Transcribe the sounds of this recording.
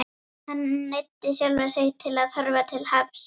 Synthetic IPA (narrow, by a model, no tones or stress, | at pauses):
hanːejt̪ːɪsjalvɛsejt̪ʰɪlaðhœɾvat̪ʰɪlhavs